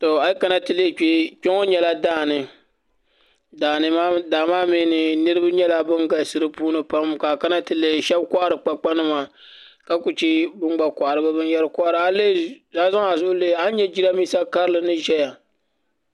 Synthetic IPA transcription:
to˨a˨˦ka˦na˦tɨ˨le˦˨k͡pe˦k͡pʲɛ˦ŋo˦ɲɛ˦la˦daː˦˨nɨ˨ | daː˨nɨ˨maː˦daː˨maː˦miː˦nɨ˨nɨ˦ɾɨ˦ba˦ɲɛ˦la˨˦bɨ˦ŋɡa˨lsɨ˦ɾɨ˦puː˦nɨ˨pa˦mka˨ka˦na˦tɨ˨le˦˨ʃɛ˦bkʷa˦ʔa˦ɾɨ˨k͡pa˦k͡pa˦nɨ˦maː˨ | ka˦ku˨t͡ʃi˦bɨ˦ŋ͡mɡ͡ba˨kʷa˨ʔa˨ɾɨ˨ba˦bɨ˦njɛ˦ɾɨ˦kɔ˦ʔa˦ɾɨ˨a˦le˦˨zaː˦za˦ŋa˨zʊ˦ʔleː˦˨a˦ɲɛ˦d͡ʒi˦ɾa˦miː˦sa˦ka˦ɾɨ˦lɨ˨nɨ˦ʒɛ˦ja˨

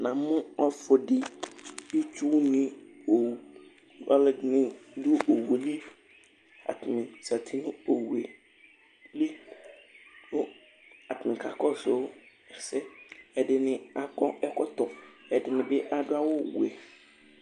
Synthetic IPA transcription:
nã˨mʊ̃˦ɔ˦fʊ˨dɪ˨ji˦t͡ʃu˦nɪ̃˦o˨w | ɔ˦lɪ˨nɪ̃˦dʊ˦o˨wu˨e˨li˦f | a̰˨tʰmɪ̃˨sa˨tʰi˦nʊ̃˦o˨wu˨e˨ | li˦ | wʊ˦ | a˨tɪ˨mɪ̃˨kʰa˨kɔ˦˨so˨˦ | ɛ˨fsɛ˦ɛ˨dɪ˨nɪ̃˨a˨kɔ˦ɛ˦kɔ˦t̪ɔ˨ɛ˨dɪ˨nɪ̃˨bɪ˦ʔa˨dʊ˦a˦wʊ˦˨wṵ˨ɛ˨

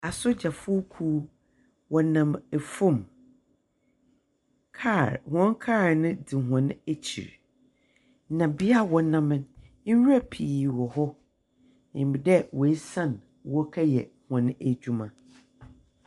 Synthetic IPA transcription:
a˨sʊ˦d͡ʑa˨fʊ˦kʰuː˦ | wɔ˨nã˨mɛ˨fʊ̃˦˨m | kʰa˦˨ɾhɔ̃˦nkʰaː˦˨ɾnɪ̃˦dɪ˨ɦɔ̃˨nɪ̃˦æ˦t͡ɕʰḭ˨ɾ | nã˨bi˦a˦˨wɔ˨˦nã˦mɪ̃˨n̩˦ | wa˦pʰi˨wɔ˨hɔ˦ | ɪ̃˨m˨bi˨dɛ˦wɔ˨e˦sã˦˨n | wɔ˦kʰa˦jɛ̰˨hɔ̃˨nɪ̃˦æ˨d͡ʑᶣu˦mã˨

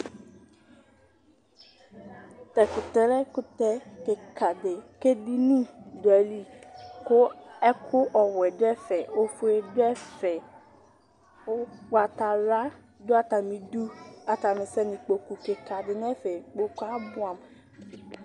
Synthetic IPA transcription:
t̪ɛ˨kʊ˨t̪ɛ˨ɾɛ˦kʊ˦t̪ɛ˦ke˨kʰa˨dɪ˨ke˦di˦nũ˦do˨ɛ˨li˦kʊ˦ɛ˦kʰʊ˦ʔɔ˨wɛ˨dɛ˦fɛ˨o˦fu˦e˨dɛ˦fɛ˨ | o˦ɡ͡ba˨t̪a˨la˦ | d̪o˦a˦˨t̪a˨mĩ˨d̪u˦a˨t̪a˨mĩ˨sɛ˦nĩ˨k͡po˨ku˨ke˨ka˨dɪ˨nɛ̃˦fe˨k͡po˦ka˦bʊ˦a˨m˨

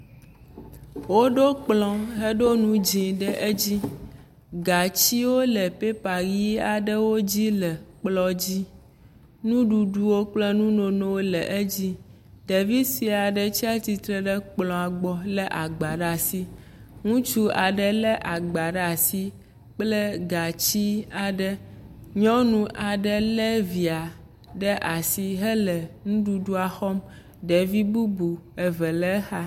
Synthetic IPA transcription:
wo˦ɖo˦k͡plɔ̃˦ɦe˦ɖo˦nũ˦d͡ʒĩ˨ɖə˦ʔe˦d͡ʑi˦ | ɡa˨t͡ɕi˦wo˦lə˨pe˦pa˨ɡi˦a˨ɖə˦wo˦d͡ʑi˦lɛ˨k͡plɔ˦d͡ʑi˦ | nũ˦ɖu˨ɖu˨wo˦k͡plɛ˦nũ˦no˨nõ˦wo˦lɛ˨ʔe˦d͡ʑi˦ | ɖe˨vi˦si˨a˨ɖə˦t͡ɕi˦a˦t̪i˨t̪ɾɛ˦ɖə˦k͡plɔ̃˨a˨ɡ͡bɔ˨lɛ˦ʔa˨ɡ͡ba˨ɖa˨si˦ | ŋũ˦t͡ʃu˦a˨ɖə˦lɛ˦ʔa˨ɡ͡ba˨ɖa˨si˦ | k͡plə˦ɡa˨t͡ɕi˦a˨ɖə˦ɲɔ̃˦nũ˦ʔa˨ɖə˦leɛ˦vi˨a˨ | ɖə˦ʔa˨si˦ɦə˦lɛ˨nũ˦ɖu˨ɖu˦a˨xɔ˦m | ɖe˨vi˦bu˦bu˨ɛ˨və˨lɛ˦xa˦

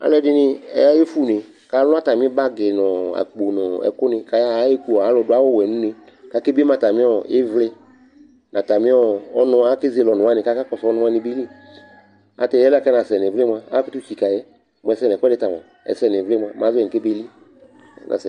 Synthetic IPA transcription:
a̰˨lɛ˦dɪ˦nɪ˦ɛ̰˦ja˦je˦fu˦˨nɪ˨ | ka˨˦lʊ˦a˦ta˨mɪ̃˦ba˦ɡe˨nɔ˨a̰˨k͡po˨nɔ˨ɛ̰˨kʊ˦nɪ̃˧ka˨jaː˦je˦ku˦˨a˨˦lɔ˨dʊ˦a˦wɔ˦˨wɛ˨nũ˦nɪ̃˨ | ka˦ke˦be˦mã˨ta˨mɪ̃˦ɔ˨ɪ˦vlɪ˦ | nã˨ta˨mɪ̃˦ɔ˦ɔ˦nʊ̃˦a˨˦ke˦ze˧˦lɔ˨nʊ̃˨a˦nɪ̃˨ka˨˦ka˦kɔ˨sɔ˦nʊ̃˦a˦nɪ̃˨˦be˦li˦ | a̰˨tɛ˨jɛ˦lkɛ˦nã˨sɛ˨nɛ˨vle˦mʷ˧a˨a˦kɪ˦tu˦t͡ʃi˨ka˨jɛ˦ | mʊ˨ɛ˨sɛ˦n˨kʷɛ˦dɪ˦ta˨m˨a˨ | ɛ̰˨sɛ˦˨n˨ɛ˨vlɪ˦m˧a˦˨m˨ã˨˦zɛ˨ke˦be˦li˦ | nã̰˨sɛ˨

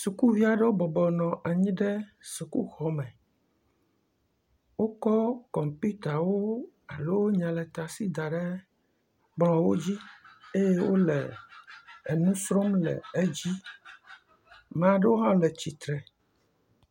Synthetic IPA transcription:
su˨ku˦vi˦a˨ɖe˦wo˦bɔ˨bɔ˨nɔ̃˨ʔa˨ɲĩ˦ɖe˦su˨ku˦xɔ˨mɛ˨ | wo˦kɔ˦kɔ˨mpu˦t̪a˨wo˦ | a˨lo˦wo˦ɲã˨lɛ˨t̪a˨si˦d̪a˨ɖe˦ | bl̃ɔ̃˨wo˦d͡ʑi˦e˦je˦wo˦lɛː˨ | nũ˦sɾɔ˦mlɛ̰˨e˦d͡ʑi˦ | m̃˨a˨ɖe˦wo˦ɦã˦lɛ˨t͡ɕi˨t̪ɾɛ˨

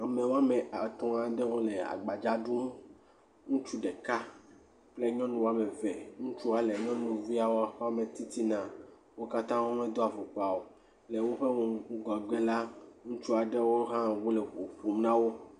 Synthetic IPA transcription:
a˨mẽ˨wo˦a˦mẽ˨a˨t̪ɔ̃˦a˨ɖe˦wo˦le˨a̰˨ɡ͡ba˨d͡ʒa˦ɖu˦ | ŋũ˦t͡ʃu˦ɖe˨ka˦ | k͡ple˦ɲɔ̃˦nũ˦wo˦a˦˨mẽ˨ve˨ŋũ˦t͡ʃu˦a˨le˨ɲɔ̃˦nũ˨vi˦a˨wo˦a˦ɸa˦mẽ˨t̪i˦t̪i˦nã˨ | wo˦ka˦t̪ã˦wo˦mẽ˦d̪o˦a˨vo˨k͡pa˨wo˨ | le˨wo˦ɸe˦ŋɔ̃˨˦ɡɔ˨ɡ͡be˦la˦ŋũ˦t͡ʃu˦a˨ɖe˦wo˦ɦã˦wu˦le˨ɸu˨ɸu˨m˦nã˦wo˦

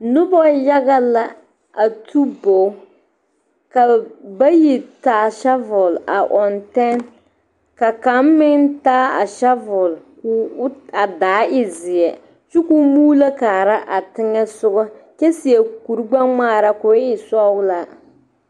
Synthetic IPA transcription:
nʊ˦bɔ˦ja˦ɡa˦la˨ | a˨tʰu˦bo˨˦ | ka˨ba˦ji˨taː˨˦ʃa˦vʊ˨la̰˨ʔɔ˨ntɛ˦n | ka˨ka˨˦m˦mɪ˦ŋtaː˦a˨ʃa˦vʊ˨l | kːa˨daː˨˦ɪ˦zɪ˨jɛ˨ | t͡ʃu˦ku˦muː˦la˦kaː˨ɾa˦ʔa˨tɪ˦ŋɛ˦sʊ˦ɡɔ˦ | t͡ʃɛ˦sɪ˨jɛ˨ku˨ɾɡ͡ba˦ŋ͡maː˦˨ɾa˦kʊ˨˦ɪ˨sɔ˦wla˦

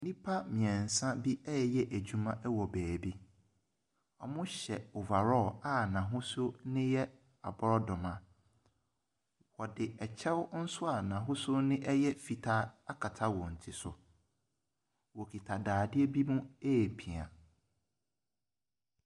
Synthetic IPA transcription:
nĩ˦pʰa˦mɪ̃˨ɛ̃˨n̩˨sã˦bi˦ɛ˦ɛ˦jɛ˦ʔæ˨d͡ʑᶣu˦mã˦ʔɛ˦wɔ˨bæː˨bi˦ | ɔ˨mʊ̃˦ɕɛ˨o˨va˨ɾɔ˦˨a˦nã˨ɦʊ̃˦sʊ˦nɪ̃˦jɛ˦ | a˨bɔ˦ɾɔ˦dɔ˨mã˨ | wɔ˨dɪ˨ɛ˨t͡ɕʰɛ˦wn̩˦sʊ˦a˨nã˨ɦʊ̃˦sʊ˦nɪ̃˦ʔɛ˦jɛ˦fi˨tʰa˦a˦kʰa˨tʰa˦wɔ̃˨n̩˨tʰi˦sʊ̰˨ | wɔ˨kʰi˨tʰa˨daː˨dɪ˦ɛ˦bi˦mũ˦e˦˨pʰi˨a̰˨

